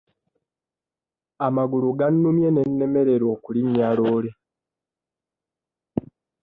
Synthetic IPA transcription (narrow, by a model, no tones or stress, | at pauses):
amaɡuluɡanːumje̞ne̞nːe̞me̞ɾe̞ɾo̞ːkulimjaːloːle